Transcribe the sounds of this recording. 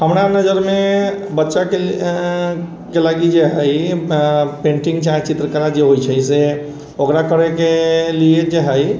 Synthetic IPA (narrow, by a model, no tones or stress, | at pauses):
ɦəmɾanəd͡ʒəɾmebətːʃake | kelaɡid͡ʒeɦəj | pẽɳʈiŋɡt͡ʃaɦt͡ʃit̪ɾəkəɾad͡ʒeɦojt͡ʃʰəjse | okɾakəɾekelied͡ʒeɦəj